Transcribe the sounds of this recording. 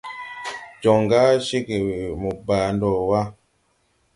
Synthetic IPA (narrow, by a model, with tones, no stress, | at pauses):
d͡ʒɔ˨ŋɡa˦ʃi˦ke˨mu˨ba˨ndɔ˨wa˦